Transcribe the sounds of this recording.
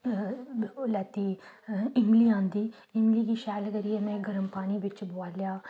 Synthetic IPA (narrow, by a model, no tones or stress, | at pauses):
lɛːt̪iːɪmliːãːnd̪iː | ɪmliːkiːʃɛːlkəɾijeːmɛ̃ːɡəɾəmpaːniːʋɪt͡ʃboaːlejaː